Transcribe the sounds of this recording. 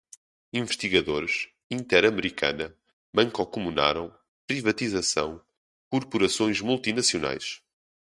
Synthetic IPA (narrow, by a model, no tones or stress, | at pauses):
ĩvɨʃt̪iɣɐðoɾʃ | ĩnt̪ɛɾɐmɨɾikʰɐ̰nɐ | mɐ̃ŋkɔkumuna̰ɾɐ̃w̃ | pɾivɐt̪izɐsɐ̰̃w̃ | kuɾpuɾɐsõj̃ʒmulˠt̪inɐsiuna̰jʃ